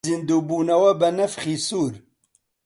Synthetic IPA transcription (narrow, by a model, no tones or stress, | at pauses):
ind̪uːbuːnɐwɐbɐnɐfχisuːɾ